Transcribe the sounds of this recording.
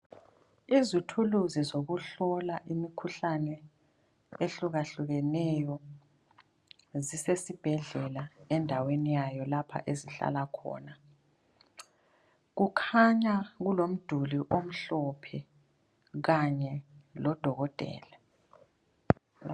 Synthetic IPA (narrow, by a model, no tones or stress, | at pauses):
izutʰuluzizoɣuɬɔlaʔimikʰuɬanɛ | eɬuɣaɬuɣɛnɛjɔ | zisesib̥ʱɛɮɛlaɛndʱawenijajɔlapʰa̰ʔeziɬa̰lakʰɔ̰ːna | ɣukʰaɲaɣulom̩d̥ʱuliʔom̩ɬɔpʰɛ | ɣaɲɛlɔd̥ʱɔɣɔd̥ʱʼɛ̰ːla